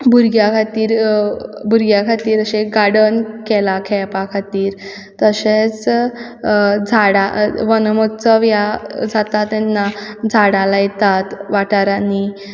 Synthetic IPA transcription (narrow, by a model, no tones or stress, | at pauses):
buɾɡjakʰat̪iːɾ | buɾɡjakʰat̪iːɾəɕeɡaɽənkɛlakʰɛpakʰat̪iːɾ | t̪əɕet͡s | d͡zʱaɽaʋənmɔt̪t͡səʋjad͡zat̪at̪ːɛnːad͡zʱaɽalajɛt̪at̪ʋaʈaɾani